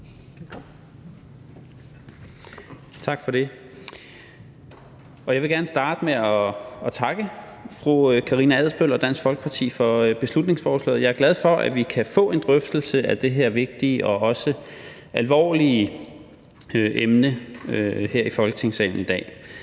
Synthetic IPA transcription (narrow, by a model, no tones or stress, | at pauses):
t͡sʰɑ̈ɡ̥fɒ̽ɾ̥e̝ | ɒ̽jɑɪʋe̝ɡ̥æɐnəsd̥ɑ̈ːd̥əmeɒt͡sʰɑ̈ɡ̥əfʁukʰɑ̈ʁiːnəæð̰ˠsb̥øl̰ɒ̽d̥æn̰sfɒ̽lɡ̥ə̥pʰɑ̈t͡sʰḭːfɒ̽b̥e̝slud̥ne̝ŋsfɒːslɛ̰ːð̩ˠjɑ̈æɐɡ̥læð̞ˠfɒ̽ʔæʋikʰæfɔ̰̽ːe̝nd̥ʁœfd̥l̩səæd̥e̝ɦeɐʋe̝ɡ̥̚d̥iəʔɒ̽ɒ̽sə | ʔælʋɒ̰ːli | øʔemnəøheɐ̰ifɒ̽lɡ̥ət͡sʰe̝ŋsɛ̰ːln̩id̥ɛ̰ː